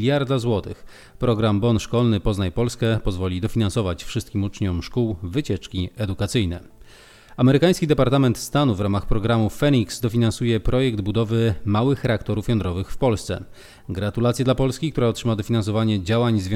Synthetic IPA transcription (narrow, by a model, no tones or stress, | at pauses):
lʲjaɾd̪azwɔt̪ɘx | pɾɔɡɾambɔnʂkɔlnɘpɔznajpɔlskɛpɔzvɔlʲid̪ɔfʲinansɔvat͡ɕfʂɘst̪̚kʲimut͡ʂɲɔmʂkuwvɘt͡ɕɛt͡ʂkʲiɛd̪ukat̪sɘjnɛ̰ | amɛɾɘkaj̃skʲid̪ɛpaɾt̪amɛnt̪st̪anuvɾamaxpɾɔɡɾamufɛnʲiksd̪ɔfʲinansujɛpɾɔjɛɡd̪bud̪ɔvɘmawɘxɾɛakt̪ɔɾufjɔnd̪ɾɔvɘxfpɔlst̪sɛ̰ | ɡɾat̪ulat̪sʲjɛd̪lapɔlskʲikt̪uɾaɔtʂɘmad̪ɔfʲinansɔvaɲɛd͡ʑawaɲzvj̃